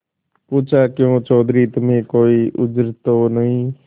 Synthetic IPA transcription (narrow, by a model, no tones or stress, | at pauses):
puːt͡ʃʰaːkjõːt͡ʃɔːd̪ʱɾiːt̪əmẽːkoːiːʔʊd͡ʒɾt̪oːnəɦĩː